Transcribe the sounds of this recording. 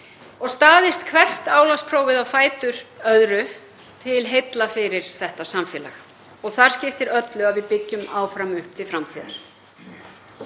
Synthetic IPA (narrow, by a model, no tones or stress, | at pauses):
ɔɣst̪aːðɪst̪kʰvɛr̥t̪aːwlaspʰɾoːwvɪðawfaːjt̪ʏɾ̥œðɾʏ | t̪ʰɪlɦejt̪lafɪɾɪɾ̥θɛht̪asamfɛːla̰x | ɔɣθaɾ̥scɪft̪ɪɾœt̪lʏavɪðpɪcːʏmaːwfɾamʏhp̚t̪ʰɪlfɾamt̪ʰiːða̰ɾ̥